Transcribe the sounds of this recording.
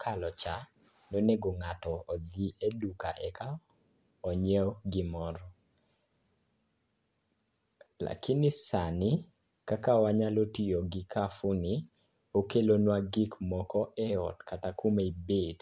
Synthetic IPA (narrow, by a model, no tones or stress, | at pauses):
kʰalɔt͡ʃa | noneɡoŋatɔːdiʔedukaʔɛka | ɔɲɛwɡɪmɔɾɔ | la̰kɪnɪsanɪ | kakawaɲalotioɡɪkafʊnɪ | okelonwaɡikmɔkɔʔɛɔ̰tkatakumeibet